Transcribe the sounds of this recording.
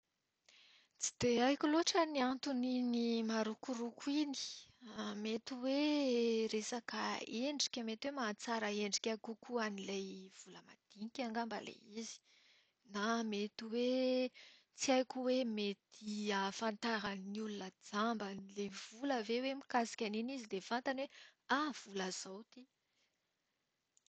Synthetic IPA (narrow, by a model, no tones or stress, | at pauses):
t͡si̥d̪̥eajkʲuloʈ͡ʂəniant̪uninimaɾukuɾukʰuini̥amet̪iwe | ɾesakaeɳɖ͡ʐi̥kʲamet̪iwemat͡saɾəeɳɖ͡ʐikʲakukuanilajv̥uləmad̪̥iŋikʲaŋɡamba̰lḛizi̥ | namet̪iwe | t͡siajkʲuwemet̪ʰiafant̪aɾanniulunəd͡zambanilev̥uləvewemikasi̥kʲaninizid̪efant̪anweav̥uləz̥awt̪i